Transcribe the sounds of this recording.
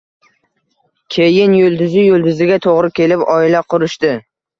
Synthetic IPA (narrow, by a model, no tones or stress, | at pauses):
kʲʰejɪnjolˠd̪ʊzɪjɵlˠd̪ʊzɪɡʲat̪ʰoʁɾɪkʲe̞lɪpɒɪlaqʰʊɾɪʃt̪ɪ